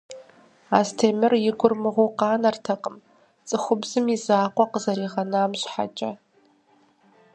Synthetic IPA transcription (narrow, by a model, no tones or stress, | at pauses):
aːstʰeːmɨrjɪɡʷʊrmɨʁʷoqɑːnɐrtʰɐqʼəm | t͡sʼɨχʷʊbzɨmizaːqʷʼɔqəzɐɾiːʁɐnɨaːmɕħa̰t͡ʃʼɐ